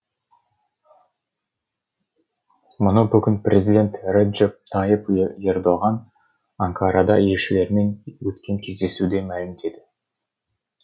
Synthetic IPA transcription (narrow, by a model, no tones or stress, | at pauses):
mʊnəbʏɡʲɪnprʲʔezʲid̪ʲe̞nt̪rʲed͡ʒep̚t̪ʰɑjəperd̪oʁɑn | aŋkʰɑɾɑd̪ɑje̞lʃɪle̞ɾɪme̞nwɵt̪kʲe̞ŋkʲʰe̞zd̪e̞sud̪e̞mælɪmd̪e̞d̪ɪ